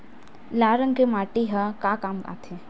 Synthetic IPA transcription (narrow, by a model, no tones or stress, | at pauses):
laːɾəŋɡkemaːʈiɦakaːkaːmka̰ːt̪ʰe